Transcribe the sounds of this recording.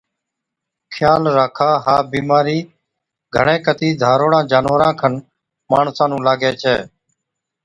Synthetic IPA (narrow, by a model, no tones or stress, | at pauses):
kʰjaːlɾaːkʰaːɦaːbiːmaːɾiː | ɡʱəɳẽːkət̪iːd̪ʱaːɾoːɽãːd͡ʒaːnʋəɾãːkʰən | maːɳsãːnũːlaːɡeːt͡ʃʰɛː